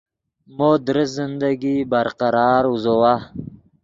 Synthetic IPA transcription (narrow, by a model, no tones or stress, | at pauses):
mod̪ɾəszɪnd̪aɡibaɾqaɾɑːɾuzowa